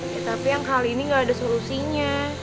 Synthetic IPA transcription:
jat̪apijaŋkaliːniŋɡaːdasolusiɲa

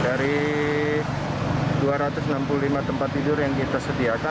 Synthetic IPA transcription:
daɾi | duaɾat̪ʊsənampululimat̪əmpat̪ːidʊrjaŋkit̪asədiaka

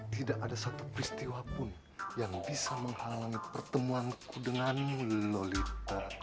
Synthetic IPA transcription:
t̪idakadasat̪upɾist̪iwapʊn | jaŋbisaməŋhalaŋipərt̪əmuankudəŋanmulolit̪ar

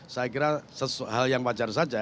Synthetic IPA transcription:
sajakiɾasəsuɦaljaŋpat͡ʃarsad͡ʒa

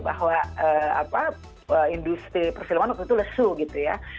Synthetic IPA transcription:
ba̰ɦwaəːa̰pa | əindust̪ipərsilamanakit̪uləsuɡit̪uja

